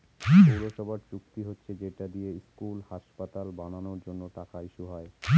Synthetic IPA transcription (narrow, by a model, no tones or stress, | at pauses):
puɾoʃɔbʱaɾt͡ɕukt̪iɦotːɕʰed͡ʑeʈad̪ijeskulhaʃpat̪albananoɾd͡ʑonːoʈakaiʃuɦɔe